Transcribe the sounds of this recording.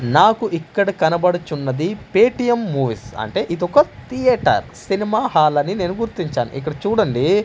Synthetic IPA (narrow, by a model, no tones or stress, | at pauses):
naːkuʔikːɐɽɐkɐnɐbɐɽut͡ʃunːɐd̪ipeːʈijɐmːuːʋisɐ̰ɳʈe̞ːʔid̪ɔkɐt̪ʰijɐʈɐ̰ɾsinimaːɦaːlɐnineːnuɡuɾt̪ːiɲt͡ʃa̰ːnṵʔḭkːɐɽɐt͡ʃuːɽɐɳɖi